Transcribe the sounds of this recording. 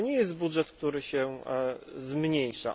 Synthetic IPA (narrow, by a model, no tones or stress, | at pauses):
ɲɛjɛst̪budʐɛt̪k̚t̪uɾɘɕɛ | zmɲejʂa̰